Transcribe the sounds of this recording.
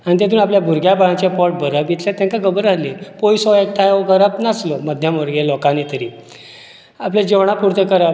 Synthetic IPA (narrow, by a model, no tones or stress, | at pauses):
añit̪̬ɛt̪uːnapljabʱuɾɡjabaɭãt͡ɕapɔʈ̚bəɾabit̪ʰlãt̪ãŋkakəbəɾalepojsɔek̚ʈʰajokəɾapnaslɔməd̪ʱjaməɾɡelɔkãnet̪əɾi | apljad͡ʑeʋɳ̃apuɾt̪ekəɾa